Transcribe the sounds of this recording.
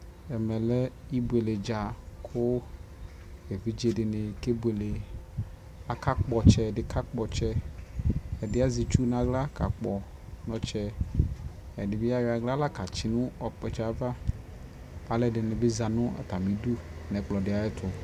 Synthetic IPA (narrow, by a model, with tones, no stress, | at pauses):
ɛ˨mɛ˨lɛ˦i˦bu˨e˨le˨d͡ʒa˨kʰʊ˦ | e˨vi˦d͡ʒe˦ɖɪ˨nɪ̃˨ke˦be˨le˨ | a˨ka˦k͡pɔ˨t͡ʃɛ˦˨dɪ˨ka˦k͡pɔ˨t͡ʃɛ˦ | ɛ˨dɪ˦a˦zi˨t͡ʃu˦nã˨ɡla˦ka̰˨k͡pɔ˨ | nɔ̃˦t͡ʃɛ˦ | ɛ˨dɪ˨bi˦a˦we˨a˨ɡla˦la˦ka˨t͡ʃi˨nũ˦ɔ˨k͡pɛ˨t͡ʃɛ˦a˨˦va˦ | a˨le˦ɖɪ˨nɪ̃˨be˦za˨nʊ̃˦a̰˨t̪a˨mĩ˨du˦nɛ̃˨k͡plɔ˨ɖɪ˨a˨e˦t̪ʰʊ˨